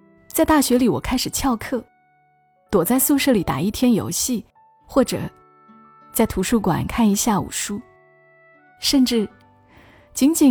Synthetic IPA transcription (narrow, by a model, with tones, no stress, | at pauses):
t͡sa˥˧ɪt̪a˥˩ɕɥɛ˧˥li˨˩wɔ˨˩kʰa˥ɪʂɻ̩˨˩t͡ɕʰjɑ˥˧ʊkʰɤ˥˩ | t̪wɔ˨˩t͡sa˥˧ɪsu˥˧ʂɤ˥˩li˨˩t̪a̰˨˩i˥˩t̪ʰjɛ˥njo̰˧˥ʊɕi˥˩ | xwɔ˥˩ʈ͡ʂɤ̰˨˩˦ | t͡sa˥˩ɪt̪ʰu˧˥ʂu˥˩kwa̰˨˩˦nkʰa˥˩ni˧˥ɕja˥˩ṵ˨˩ʂu˥ | ʂə˥˧nʈ͡ʂɻ̩˥˩ | t͡ɕi˧˥nt͡ɕi˨˩